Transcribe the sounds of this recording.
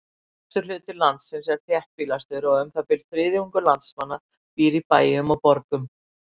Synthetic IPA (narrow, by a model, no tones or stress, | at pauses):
t̪ʏɾ̥lʏːt̪ɪlant̪sɪnsɛɾ̥θjɛhpfilast̪ʏɾɔʏmθapɪlθɾɪːðɪuŋkʏlant̪smanːa | piːɾipaːjʏmɔwpɔɾkʏm